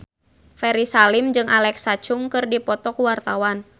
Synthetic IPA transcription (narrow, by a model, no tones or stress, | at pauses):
fɛɾisalimd͡ʒɨŋʔalɛksat͡ʃuŋkɨrdipɔt̪ɔkuwart̪awan